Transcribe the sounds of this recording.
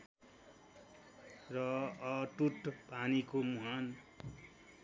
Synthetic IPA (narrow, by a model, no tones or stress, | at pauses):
rʌʌʈuʈpanikomuɦan